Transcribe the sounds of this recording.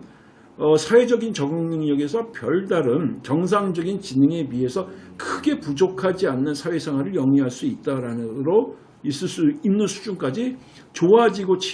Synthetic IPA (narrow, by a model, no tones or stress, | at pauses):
ʌsʰawe̞d͡ʑʌɡint͡ɕʌɡɯŋnɯŋɲʌɡe̞sʰʌpjʌɭdaɾɯmt͡ɕʌŋs̬ʰaŋd͡ʑʌɡint͡ɕinɯŋe̞wɥiɦe̞sʰʌkʰɯɡe̞pud͡ʑokʰad͡ʑianːɯnsʰawesʰaŋɦwaɾɯɭjʌŋiɦaɭs͈uit̚t͈aɾanɯɾo | is͈ɯɭs͈uimnːɯnsʰu̥d͡ʑunk͈ad͡ʑi | t͡ɕoad͡ʑiɡot͡ɕʰ